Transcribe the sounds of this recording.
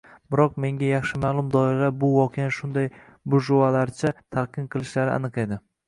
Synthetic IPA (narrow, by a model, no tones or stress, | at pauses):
bɪɾɒq̚me̞ŋɡʲajɑχʃɪmaːlˠʊmd̪ɒɪɾabʊwɒqʰejanʃʊnd̪aj | bʊʒʊalaɾt͡ʃʰat̪ʰaɾqʰɨmqʰɨlˠɪʃlaɾɪa̰nɨqe̞d̪ɪ